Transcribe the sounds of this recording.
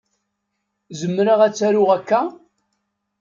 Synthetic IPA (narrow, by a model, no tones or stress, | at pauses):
zəmːɾaʁæt͡sːæɾʊʁækːæ